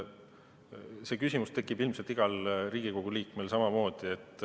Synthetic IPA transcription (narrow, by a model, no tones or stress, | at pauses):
se̞kysʲimust̪e̞kːˑibilmselt̪iɡ̥ɑlriːɡ̥iko̞ɡ̥uliːkmelsɑmɑmo̞ːd̪̥ie̞t̪ːˑ